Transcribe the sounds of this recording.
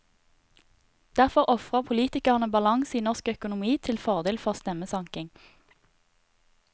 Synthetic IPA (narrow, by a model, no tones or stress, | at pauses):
d̪̥æʁfɔʁʔɔfʁəpʰʊliːt̪ɪkɑʁnəbɑlɑŋsiːnɔʁskœkʊnʊmiːt̪ʰɪlfɔʁd̪eːlfɔʁst̪ɛməsɑŋkɪŋ